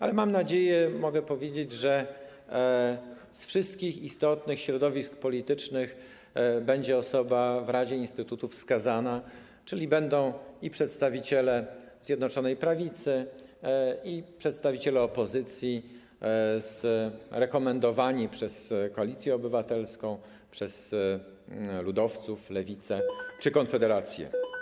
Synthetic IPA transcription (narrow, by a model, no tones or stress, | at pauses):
alɛmamnad͡ʑejɛmɔɡɛpɔvʲjed͡ʑed͡ʑʐɛ | sfʂɘst̪kʲixist̪ɔt̪nɘxɕɾɔd̪ɔvʲisk̚pɔlʲit̪ɘt͡ʂnɘx | bɛɲd͡ʑɛɔsɔbavɾad͡ʑɛinst̪ɘt̪ut̪ufskazana | t͡ʂɘlʲibɛnd̪ɔ̃w̃ipʂɛt̪st̪avʲit͡ɕɛlɛ | zʲjɛd̪nɔt͡ʂɔnɛjpɾavʲit̪sɘ | ipʂɛt̪st̪avʲit͡ɕɛlɛɔpɔzɘt̪sʲji | zɾɛkɔmɛnd̪ɔvaɲipʂɛskɔalʲit̪sʲjɛɔbɘvat̪ɛlskɔ̃w̃ | pʂɛz | lud̪ɔft̪suflɛvʲit̪sɛt͡ʂɘkɔnfɛd̪ɛɾat̪sʲjɛ̰